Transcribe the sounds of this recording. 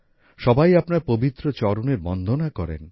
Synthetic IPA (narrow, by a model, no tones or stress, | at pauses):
ʃɔbajapnaɾpobit̪ːɾot͡ɕɔɾoneɾbɔnd̪ʱonakɔɾḛn